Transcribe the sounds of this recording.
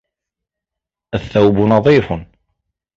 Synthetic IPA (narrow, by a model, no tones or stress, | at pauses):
æθːæwbunɑðˤifən